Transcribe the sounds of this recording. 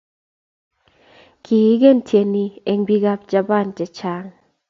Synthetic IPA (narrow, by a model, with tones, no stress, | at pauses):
kʰi˨˦ɡe˦˨ntʰje˧ni˧e˨ŋbi˦ɡa˦p̚d͡ʒa˧ba˦˨nd͡ʒɛ˨t͡ʃa˦ŋ